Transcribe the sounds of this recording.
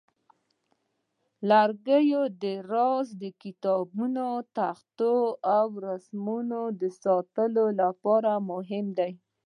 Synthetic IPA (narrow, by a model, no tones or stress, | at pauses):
laɾɡəjod̪əɾɑzd̪əkɪt̪ɑbunot̪axt̪oawɾasmunod̪əsɑt̪əlolapɑɾamʊɦɪmd̪aj